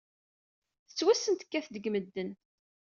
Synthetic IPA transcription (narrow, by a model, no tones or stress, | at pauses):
θə̥t͡sːwæsənt̪ə̥kːæθd̪əɡməd̪ːən